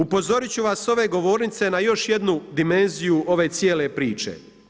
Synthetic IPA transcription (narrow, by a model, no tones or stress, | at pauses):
upo̞zo̞ɾit͡ɕuʋaso̞ʋe̞ɡo̞ʋo̞ːɾnit̪se̞najo̞ʃje̞d̪nud̪ime̞nzijuʔo̞ʋe̞ːt̪sjeːle̞pɾiːt͡ʃḛ